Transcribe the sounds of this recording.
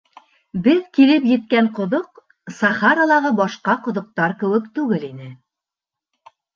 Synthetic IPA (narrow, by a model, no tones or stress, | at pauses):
bɘðkilɘpjɘ̆t̪̚kæɴqŏðoq | sɑχɑɾɑlˠɑʁɤbɒʃqɑqŏðŏq̚t̪ɑɾkɘ̆wɘkt̪ʉɡɘlinɘ